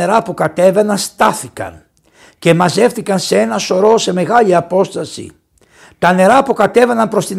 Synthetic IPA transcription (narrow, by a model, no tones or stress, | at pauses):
eɾɐpukɐt̪e̞ve̞nɐst̪ɐθikɐ̰n | ce̞mɐze̞fθikɐnsee̞nɐso̞ɾo̞se̞me̞ɣɐliɐpo̞st̪ɐsḭ | t̪ɐne̞ɾɐpukɐt̪e̞ve̞nɐmpɾo̞st̪in